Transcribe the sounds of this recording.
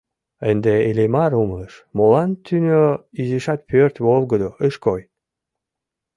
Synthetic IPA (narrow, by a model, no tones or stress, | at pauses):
ənd̪eelemɑɾumlˠəʃmolɑnt̪ynʲøizeʃɑt̪pørt̪βolɡə̆d̪oəʃkoj